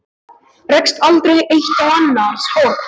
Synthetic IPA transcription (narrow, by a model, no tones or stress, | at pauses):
rɛkst̪alt̪ɾejejht̪awanːaskɔːɾ